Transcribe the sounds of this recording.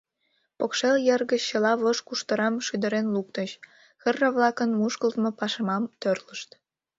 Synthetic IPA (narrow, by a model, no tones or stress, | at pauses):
pokʃeljerɣəːəlɑβoʃkuʃt̪əɾɑmʃyd̪əɾenluk̚t̪əɕ | xərːəβlɑkənmuʃkəlt̪mopɑʃəmɑmt̪ørləʃt̪